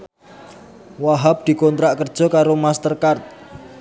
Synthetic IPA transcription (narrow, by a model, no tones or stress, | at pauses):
waɦap̚d̪̥i̤kɔnt̪ɾaʔkərd̥ʒ̥ɔ̤kaɾomast̪ərkart̪̚